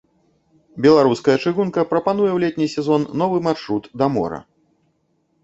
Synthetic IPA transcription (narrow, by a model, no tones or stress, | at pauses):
bʲɛlˠaɾuskɐjɐt͡ʂɨɣunkɐpɾɐpan̪ujɛwlʲɛt̪ʲnʲisʲɛzɔnːɔvɨmarʂɾut̪d̪ɐmɔ̰ɾɐ̰